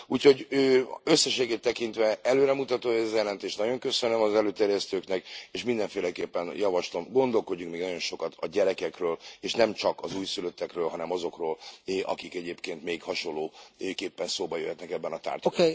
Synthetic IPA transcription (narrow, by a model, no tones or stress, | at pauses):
uːcʰho̞ɟøːøsːɛʃeːɡeːt̪ːɛkint̪ʋɛɛløːɾɛmut̪ɒt̪oːɛzjɛlɛnt̪eːʃt̪nɒɟo̞ŋkø̞sønømɒzɛløːt̪ɛːɾjɛst̪øːknɛkeːʃmind̪ɛɱfeːlɛkeːpːɛnjɒvɒʃlo̞mɡo̞nd̪o̞lko̞ɟːuŋkmeːɡnɒɟonʃo̞kɒt̪ɒɟɛɾɛkɛkrøːleːʃnɛmt͡ʃɒkɒzuːjsyløt̪ːɛkrøːlɦɒnɛmɒzo̞kroːlʔɒ̰kikɛɟeːpkeːnt̪meːkhɒʃo̞lːoːøkeːpːɛnsoːbɒjøhɛt̪nɛkɛbːɛnɒt̪a̰ːrt̪ː